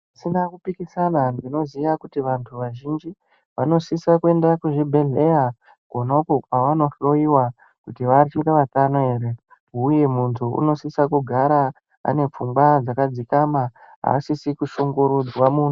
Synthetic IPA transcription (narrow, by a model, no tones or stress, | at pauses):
isinakupikisanandino̞zijakutiʋantʰuʋaʒind͡ʒi | ʋano̞sisakue̞ndakuʐibʱe̞ɮe̞ja | konaukokwaʋano̞ɬo̞iwa | kutiʋat͡ʃitaʋatanoe̞ːɾe̞ː | je̞muntʰuṵno̞sisakuɡʱaɾa | a̰ne̞p͡fumɡwad͡zakad͡zikamaɦa̰ːsisikuʃoŋɡo̞ɾud͡zwamuːnʰu